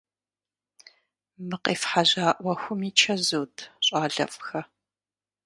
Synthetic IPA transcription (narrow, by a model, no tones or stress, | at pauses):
mɨqeːfħaʑaːʔʷɐxʷʊmiːt͡ʃʰɐzuːtʰɕʼaːɮɐ̰fʼxɐ